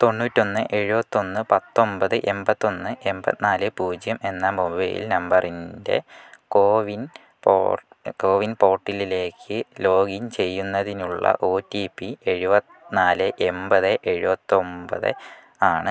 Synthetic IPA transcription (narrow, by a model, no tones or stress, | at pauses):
t̪o̞nːuːtːo̞nːɨʔe̞ɻubɐt̪ːo̞nːɨpɐt̪ːo̞mbɐðɨʔe̞mbɐt̪ːo̞nːɨʔe̞mbɐt̪naːlɨpuːd͡ʑjɐme̞nːɐmubɐjḭlnɐmbɐrinde̞̰koːʋin | po̰ː | ko̞ːʋinpo̞ːrʈːilile̞ːkʰːɨlo̞ːɡint͡ɕe̞jːunːɐðinuɭːɐ̰ʔo̞ːtːiːpːie̞ɻubɐt̪ | naːlɨʔe̞mbɐðɨʔe̞ɻubɐt̪ːɨo̞mbɐ̰ðɨ̰ | aːɳɨ